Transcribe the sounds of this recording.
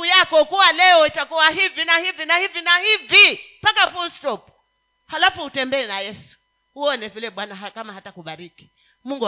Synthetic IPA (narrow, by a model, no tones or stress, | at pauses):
ujakɔkuwalɛɔitakuwaɦivinahivinahivinahivi | pakafustɔp | halafuhutɛmbɛɛnajɛsu̥ | huɔnɛvilɛɓwanaɦakamaɦatakuɓaɾiki̥ | muŋɡu